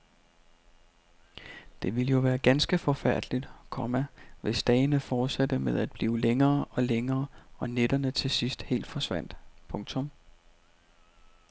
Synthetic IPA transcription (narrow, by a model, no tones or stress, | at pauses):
d̥e̝ʋiləjo̝ʋæːɐɡ̥ænsɡ̥əfɒ̽fæɐ̰d̥lid̥kʰɒ̽mæʋe̝sd̥ɛːɪnəfɒːd̥sædəmeð̞̰ˠæd̥̚b̥liːʊleŋɐːʔɒ̽leŋɐːɒ̽ned̥ɐnət͡sʰe̝sisd̥he̝̰ːld̥fɒ̽sʋæn̰d̥pʰɔ̽ŋt͡sʰɔ̽m